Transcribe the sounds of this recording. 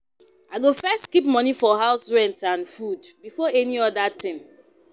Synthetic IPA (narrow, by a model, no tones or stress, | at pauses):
aɪɡofɛstkipmɔnifɔɦaʊsɹɛ̃ntãnfudbifɔɛniɔdatɪ̃m